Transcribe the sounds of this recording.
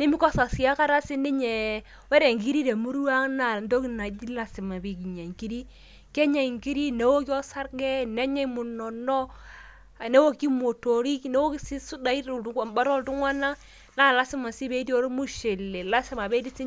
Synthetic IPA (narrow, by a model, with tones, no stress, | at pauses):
ne˦mi˦kɔ˦sa˨sja˦ka˦ɾa˦si˦ni˦ɲɛ˨ | we˦ɾe˨ŋɡi˦ɾi˦ɾe˨mu˦ɾa˦ŋna˨ndo˦ki˦na˨di˦la˨sɪ˨ma˨bi˨ki˨ɲa˨ŋki˦ɾi˦ | ke˦ɲa˨i˨ŋɡi˦ɾi˦ne˨˦wo˦kjɔ˦sa˦ɾɡɛ˦ne˦ɲɛ˦mu˨nɔ˨nɔ˦˨ | ne˦wo˦ki˦mo˨to˨ɾi˦kne˦wo˦ki˦si˦su˦da˨i˦˨ba˦ɾɔ˦ltu˦ŋwa˦na˦ | na˦˨la˦sɪ˦ma˨si˦be˦tjo˨˦ɾo˦mu˦ʃe˨le˨la˦sɪ˦ma˨be˦di˦si˦